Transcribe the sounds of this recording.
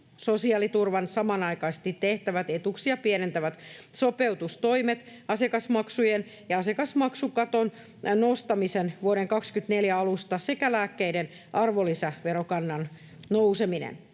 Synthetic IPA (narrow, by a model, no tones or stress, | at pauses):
sosiɑːlit̪urʋɑnsɑmɑnɑikɑise̥st̪it̪ːeht̪æʋæt̪et̪uksiɑpienent̪æʋæt̪ | sopeut̪ust̪oimet̪ɑsiekɑsmɑksujen | jɑɑsekɑsmɑksukɑt̪on | nost̪ɑmisenʋuoɾeŋkɑkskyt̪neljæɑlust̪ɑsekælæːkːeiden | ʔɑrʋolːisæʋeɾokɑnːɑn | nowseminḛn